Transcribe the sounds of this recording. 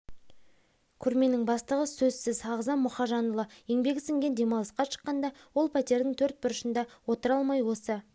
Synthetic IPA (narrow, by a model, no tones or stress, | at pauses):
kʲʰʏɾme̞nɪŋbɑst̪əʁəsɵzsɪzɑʁzɑnmʊχɑʒɑnəlˠəjeŋbe̞ɡʲɪsɪŋɡʲe̞nd̪e̞mɑlˠəsqɑʃə̥qːɑnd̪ɑwo̞lˠpʰæt̪e̞ɾd̪ɪŋt̪ʰɵɾt̪̚bʊɾəʃənd̪ɑwo̞t̪əɾɑlˠmɑjwo̞sə